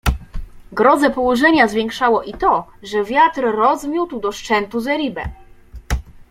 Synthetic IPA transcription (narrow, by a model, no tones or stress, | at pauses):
ɡɾɔd̪zɛpɔwɔʐɛɲazvʲjɛŋkʂawɔʔit̪ɔʐɛvʲjat̪ɾːɔzmʲjut̪wd̪ɔʂt͡ʂɛnt̪uzɛɾʲibɛ̰